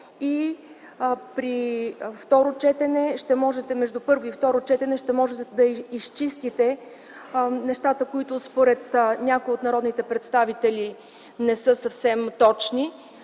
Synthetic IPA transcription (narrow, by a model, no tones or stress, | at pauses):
i | pɾift̪ɔɾot͡ʃɛt̪ɛnɛʃt̪ɛmɔʒɛt̪ɛmɛʒd̪upɤɾvoift̪ɔɾot͡ʃɛt̪ɛnɛʃt̪ɛmɔʒɛt̪ɛd̪ɐist͡ʃist̪it̪ɛ | nɛʃt̪at̪əkoit̪ʊspoɾɛt̪nʲakoiot̪nɐɾɔd̪nit̪ɛpɾɛt̪st̪avit̪ɛlʲi | nɛsɤsəfsɛmt̪ɔt͡ʃni